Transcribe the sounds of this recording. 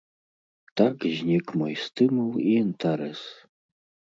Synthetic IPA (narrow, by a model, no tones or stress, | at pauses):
t̪akʑɲɛkmujst̪ɘmuwiɛnt̪ʰaɾɛs